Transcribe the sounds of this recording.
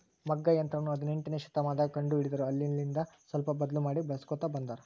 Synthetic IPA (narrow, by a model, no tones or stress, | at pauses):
mɐɡːɐjɐnt̪ɾɐnuɐd̪ɐneɳʈineːʃɐ̥t̪ːɐmaːd̪ɐkɐɳɖuiɽid̪ɐɾuɐlːilind̪ɐsʋɐlpɐbɐd̪ɐlumaːɽibɐskɔt̪ːɐbɐnd̪aːɾu